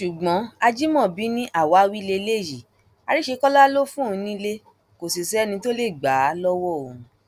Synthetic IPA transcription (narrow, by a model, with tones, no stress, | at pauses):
ʃu˨ɡ͡bɔ̃˨˦a˧d͡ʒi˦mɔ̃˦˨bi˨˦nĩ˦ʔa˦˨wa˨˦wi˦le˧le˦˨ji˨ | a˨˧ɾi˦ʃe˧kɔ˦la˦lo˦fũ˦˨˧nĩ˦le˦ | ko˨si˨sɛ˨˦nĩ˧to˦le˦˨ɡ͡ba˨˦lɔ˦wɔ˦˨õ˨